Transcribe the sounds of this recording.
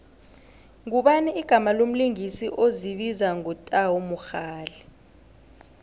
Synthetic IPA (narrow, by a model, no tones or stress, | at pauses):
ŋ̬uɓanɛiɡ̥ʱamalom̩liŋisiʔoziɓizaŋɔtʼawomuxaːlɛ